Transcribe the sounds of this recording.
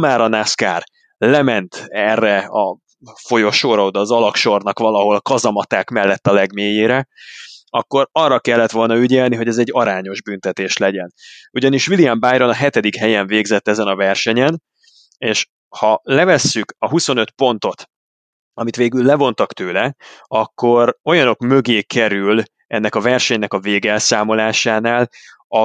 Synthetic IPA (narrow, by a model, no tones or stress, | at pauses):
maːɾɒnaska̰ːr | lɛmɛnt̪ɛrːɛɒ | fo̞jo̞ʃoːɾɒod̪ɒːzɒlɒkʃo̞rnɒkʋɒlɒɦo̞lkɒzɒmɒt̪aːkmɛlːɛt̪ːɒlɛɡmeːjeːɾɛ | ɒkːo̞ɾɒrːɒkɛlːɛt̪ʋo̞lnɒyɟɛlniɦo̞ɟɛzɛɟːɒɾaːɲo̞ʒbynt̪ɛt̪eːʃlɛɟɛnuɟɒniʃʋilijambaːjɾo̞nɒɦɛt̪ɛd̪ikhɛjɛɱveːɡzɛt̪ːɛzɛnɒvɛrʃɛɲɛn | eːʃ | hɒlɛvɛsːykɒɦuso̞nø̞t̪po̞nt̪o̞t̪ | ɒmit̪ʋeːɡylːlɛvo̞nt̪ɒkt̪øːlɛɒkːo̞ɾo̞jɒno̞kmø̞ɡeːkɛɾyl | ɛn̪ːɛkɒvɛrʃɛɲnɛkɒveːɡɛlsaːmo̞laːʃaːnaːl | ɒ